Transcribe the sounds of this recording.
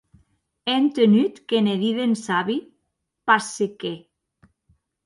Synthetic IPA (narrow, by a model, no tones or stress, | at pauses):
ent̪enyt̪keneðiðensaβi | paseke